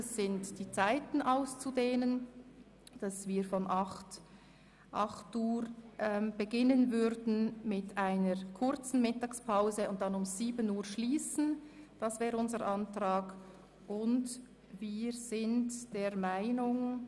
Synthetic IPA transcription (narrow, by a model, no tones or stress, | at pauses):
ɛsːɪntd̥iːt͡saɪtn̩ʔaʊst͡sudeːnən | d̥ɑsviːɾfɔnʔɑχt | ʔɑχtuːɾʔɛmb̥əɡɪnənvʏɾdn̩mɪtaɪnəɹkʰʊrt͡sn̩mɪtɑːkspʰaʊzəʊnt̚d̥anʊmz̥iːbənuːɾʃliːsn̩d̥ɑsv̥ɛːɾəʊnzəɾʔɑntʁaːɡ | ʔʊnd | viːɹz̥ɪntd̥eːɾmaɪnʊŋ